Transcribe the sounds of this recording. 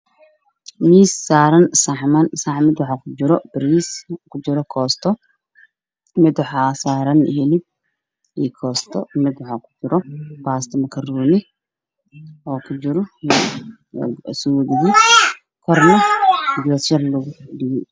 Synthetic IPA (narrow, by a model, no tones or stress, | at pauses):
miːsːaːɾɐnsaħmɐnsaʕmɪd̪wɑħakʰʊd͡ʒɪɾɔb̥ɪɾiːskʰʊd͡ʒɪɾɔkʰɔːst̪ʰɔ | mɪd̪wɑħɑːsaːɾɐnhɛlɪb̚ | iːkʰɔːst̪ʰɔ̰mɪd̪wɑħakʰʊ̥d͡ʒɪɾɔbaːst̪ʰɐmɐkʰɐruːnɪ | ɔːkʰʊd͡ʒɪɾɔ | sʊwɐðɪɣi | kʰɔrnɐdjɔsʃɐrlʊɣʊɖɪɣɪ